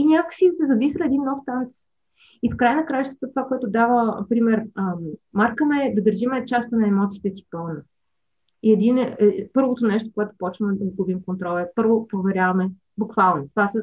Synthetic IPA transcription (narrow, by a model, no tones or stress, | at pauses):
inʲakkə̥sizɛvɐbixɛd̪inːɔft̪ant̪s | ifkɾajənɐkɾat͡ʃɛst̪vɐt̪ət̪ovakoɛt̪ʊd̪avəpɾimɛɾəmaɾkənɐɛd̪ɐd̪əɾʒimɛt͡ʃast̪ənɐɛmɔt̪sit̪ɛsi̥pɔvnə | iɛd̪inpɤɾvot̪onɛʃt̪o̥koɛt̪ʊ̥pɔt͡ʃnəd̪ɐɡubimkont̪ɾɔlˠɛpɤɾvopɾovɛɾʲjavɐmɛ | bukvalˠnot̪ovasə